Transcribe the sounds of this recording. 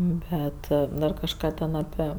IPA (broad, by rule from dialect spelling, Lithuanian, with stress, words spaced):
ˈbʲɛt dɐr kɐʃˈkɑː tʲɛn ɐˈpʲiɛ